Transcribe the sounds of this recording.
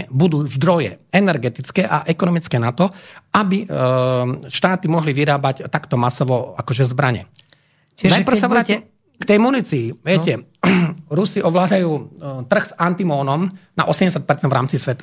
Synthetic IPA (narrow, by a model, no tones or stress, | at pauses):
bud̪uːzd̪ɾɔjɛ̰ɛnɛɾɡɛt̪it͡skɛːʔaʔɛkɔnɔmit͡skɛːnat̪ɔabi | ʃt̪aːt̪imɔɦliʋiɾaːbact̪akt̪ɔmasɔʋɔa̰kɔʒɛzbɾaɲɛ̰ | najpr̩saʋɾaːɛ | kt̪ɛjmunit͡siːʋɪɛcɛ | ɾusiʔɔʋlaːd̪ajuːt̪r̩ɣz̥ant̪imɔːnɔmna̰ʔɔsɛmɟɛsjat̪̚pɛɾt͡sɛnvɾaːmt͡sisʋɛt̪ḁ